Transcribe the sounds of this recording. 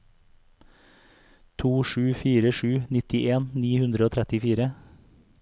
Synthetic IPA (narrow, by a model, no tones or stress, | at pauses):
t̪ʰuːʃʉːfiːɾəʃʉːnɪt̪ɪʔeːnniːhʉnd̪ɾəoːt̪ʰɾɛt̪ɪfiːɾə